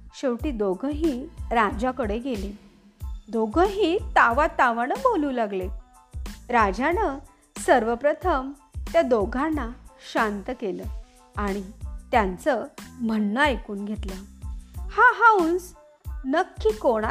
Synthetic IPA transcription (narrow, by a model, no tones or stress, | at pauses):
ɕeʋʈiːd̪oɡʱəɦiːɾad͡ʑakəɽeɡʱelẽ | d̪oɡʱəɦiːt̪aʋat̪aʋanəboluːlaɡle | ɾad͡ʑanə | səɾʋəpɾət̪ʰəmt̪jad̪oɡʱanːaɕant̪əkelə | aɽ̃it̪jant͡səm̤ənːəajkuːnɡʱet̪la | haɦauns | nəkʰːiːkoɽ̃a